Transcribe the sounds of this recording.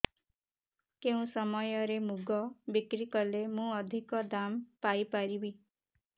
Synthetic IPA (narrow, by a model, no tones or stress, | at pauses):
keũsɔmɔjɔɾemuɡɔbikɾikɔlemũɔd̪ʱikɔd̪ampaipaɾibi